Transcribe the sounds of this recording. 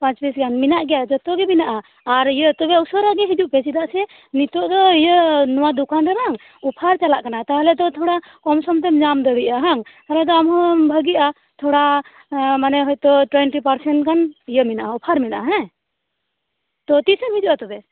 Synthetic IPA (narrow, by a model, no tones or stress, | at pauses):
pãt͡ʃpisɡanminaʔɡɛjad͡ʒɔt̪ɔɡɛbinaʔaː | ɾijət̪ɔbɛusɔɾaɡɛɦid͡ʒuʔpɛt͡ʃid̪aʔsɛ | nit̪ɔʔd̪ɔijənɔwad̪ukanɾɛɾaŋ | upʰaɾt͡ʃalaʔkanat̪aɦlɛd̪ɔt̪ʰɔɽa | kɔmsɔmt̪ɛmɲamd̪əɽijʔaɦaŋt̪aɦlɛd̪ɔamɦɔ̃bʱəɡia | t̪ʰɔɽa | manɛɦɔjt̪ɔʈwɛɳʈipaɾsɛɳʈkanijəminaʔaupʰaɾminaʔaɦɛ̃ | t̪ɔt̪isɔmhɦid͡ʒuʔat̪ɔbɛ